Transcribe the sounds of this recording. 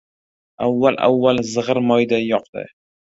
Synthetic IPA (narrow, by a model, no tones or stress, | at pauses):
awːalʔa̰wːalzɨʁɨɾmɒjd̪ajɒqd̪ɪ̰